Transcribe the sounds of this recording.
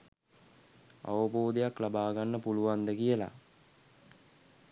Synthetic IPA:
a̰ʋəboːd̪ejaklabaːɡanːəpuluʋand̪əkijəla̰

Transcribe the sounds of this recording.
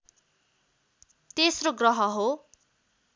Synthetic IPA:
t̪esroɡrʌɦʌɦo

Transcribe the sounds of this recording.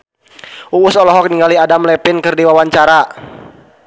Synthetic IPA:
ʔuwʊsɔlɔɦɔk̚niŋɡaliadamlɛpɪnkɨrdiwawaɲt͡ʃaɾa

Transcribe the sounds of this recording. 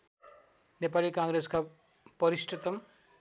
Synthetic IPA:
nepalikãŋɡɾeska | pʌɾisʈet̪ʌm

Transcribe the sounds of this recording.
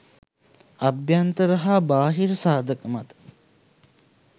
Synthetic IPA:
abjant̪əɾəɦaːbaːɦiɾəsaːd̪əkəmat̪ə̥

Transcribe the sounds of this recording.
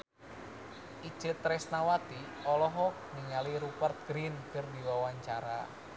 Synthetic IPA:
ʔi̥t͡ʃɨt̪ɾɛsnawat̪i | ɔlɔɦɔk̚niŋaliɾupərt̪̚ɡ̥ɾinkɨrdiwawaɲt͡ʃaɾa

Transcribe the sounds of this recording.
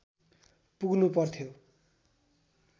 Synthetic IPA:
puɡnupʌrt̪ʰjo

